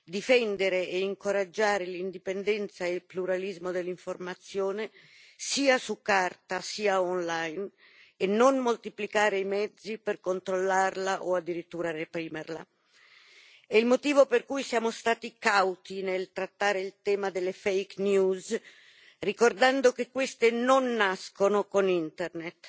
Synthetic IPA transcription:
d̪ifɛnd̪eɾeʔeiŋkoɾad͡ʒːaːɾelind̪ipend̪ɛnt̪saelpluɾalizmod̪elːiɱformat̪sːjoːne | siːasukːart̪asiːaɔnlajn | enːonmolt̪iplikaːɾeimɛd̪zːiperkont̪ɾolːarlaʔoad̪ːiɾit̪ːuːɾarepɾiːmerla̰ | ɛilmot̪iːvoperkujsjaːmost̪aːt̪ikawt̪inelt̪ɾat̪ːaːɾeilt̪ɛːmad̪elːefejknjuz | rikord̪and̪okekːwest̪enonːaskonokonint̪ernet̪

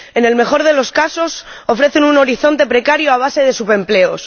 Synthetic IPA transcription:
e̞ne̞lme̞xo̞ɾðe̞lo̞skaso̞so̞fɾe̞θenuno̞ɾiθo̞nt̪e̞pɾe̞kaɾjoaβ̞ase̞ð̞e̞supe̞mple̞os

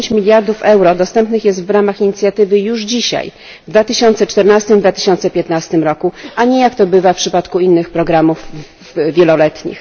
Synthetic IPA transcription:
ɲt͡ɕmʲilʲjaɾd̪ufɛwɾɔd̪ɔst̪ɛmpnɘxjɛst̪vɾamaxiɲit̪sʲjat̪ɘvɘjuʐd͡ʑiɕa̰j | vd̪vat̪ɘɕɔnt̪sɛt͡ʂt̪ɛɾnast̪ɘmd̪vat̪ɘ̥ɕɔ̃nt̪sɛpʲjɛt̪nast̪ɘmɾɔkuʔaɲɛjakt̪ɔbɘvafpʂɘpat̪kuinːɘxpɾɔɡɾamuf | vʲjɛlɔlɛt̪ɲḭx

